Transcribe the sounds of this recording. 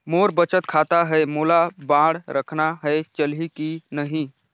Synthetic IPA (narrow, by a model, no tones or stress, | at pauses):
moɾbət͡ʃət̪kʰat̪aɦəemolabãɽɾəkʰnaɦəet͡ʃəlɦikinəɦĩ